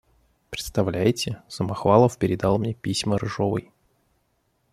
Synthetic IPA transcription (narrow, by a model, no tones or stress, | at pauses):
pɾʲɪt̪st̪ɐvlʲæjtʲɪsəmɐxvalˠəfpʲɪɾʲɪd̪alˠmnʲepʲisʲməɾɨʐovɨ̰j